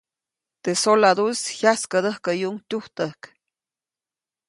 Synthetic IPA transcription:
t̪esolad̪ushjaskəd̪əhkəjuŋt̪ʲuht̪əhk

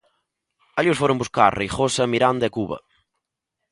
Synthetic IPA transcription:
aʎiʊsfoɾombuska̰ɾrejχosɐmiɾand̪ɐɛkuβɐ̰

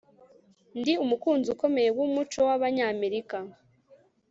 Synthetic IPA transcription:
ndiumukuːnzuko̞me̞jewumut͡ʃo̞waβaɲaːme̞ɾika

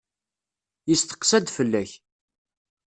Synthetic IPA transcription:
jəst̪ə̥qːsæd̪fəlːæç

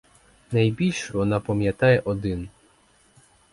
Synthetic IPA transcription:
najbʲilʲʃvɔnapɔmʲjat̪ajɛʔɔd̪ɪn

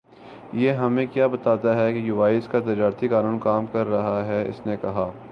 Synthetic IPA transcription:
jeɦɐmẽkjaːbɐt̪aːt̪aɦɛkejuːʋaːɪskat̪̬ɐd͡ʒaːɾt̪ikaːnuːnkaːmkɐɾːɐɦaɦɛɪ̰snekɐɦaː

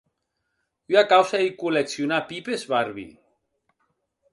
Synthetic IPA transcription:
yakawsaðikuleksjunapipezβaɾβḭ

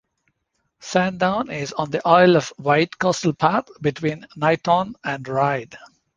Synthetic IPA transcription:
sæ̃nɖãʊ̃nɪzɔ̃nd̪iʔɔɪlɔʋʋaɪʈkɔstəlpʰæɾt̪bɪʈʰwĩːnːaɪʈʰɔ̃næ̃ɳɖɹaɪɖ

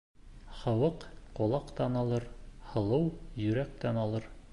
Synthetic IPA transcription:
χɑwɤqqŏlˠɑqt̪ɑnɑlˠɤɾhɤ̆lˠɤwjɵ̆ɾæk̚t̪ænɑlˠɤɾ

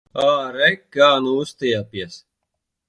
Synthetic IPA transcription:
aːɾɛkːaːnuːst̪ejapjɐs

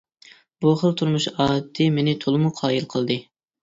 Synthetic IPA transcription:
b̥uχəlˠt̪ʰuɾmuʃɑːd̪̚ɨmenɪt̪ʰolˠɨmuqʰɑːilˠqʰəlˠd̪ɨ

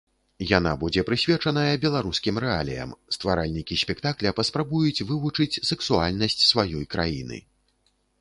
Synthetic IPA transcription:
jan̪a̰bud͡zʲɛpɾɨsʲvʲɛt͡ʂɐnɐjɐbʲɛlˠaɾuskʲimɾɛalʲḭjɐ̰mst̪vaɾalʲnʲikʲisʲpʲɛkt̪aklʲɐpɐspɾabujut͡sʲvɨvut͡ʂɨt͡sʲsɛksualʲnɐsʲt͡sʲsvajɔjkɾa̰jinɨ̰

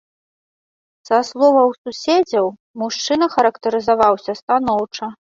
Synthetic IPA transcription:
z̥ɐslˠɔvɐwsusʲed͡zʲɐw | muʂt͡ʂɨnɐxɐɾɐkt̪ɐɾɨzavawsʲɐst̪anɔwt͡ʂɐ

